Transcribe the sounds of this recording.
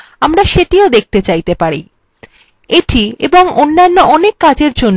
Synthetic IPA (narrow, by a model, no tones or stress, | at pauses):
amɾaʃeʈiod̪ek̚t̪et͡ɕajt̪epaɾḭ | eʈʰiḛboŋonːanːoʔɔnekːad͡ʑeɾd͡ʑonː